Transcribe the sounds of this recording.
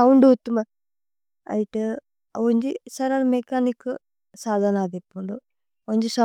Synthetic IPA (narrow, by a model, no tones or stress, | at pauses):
ɐwuɳɖuut̪ːumɐ | ɐ̰jiʈɨ | oɲd͡ʒisɐɾanmekaːnikːɨ | saːd̪ʱanaːd̪epːuɳɖu | oɲd͡ʒisɐ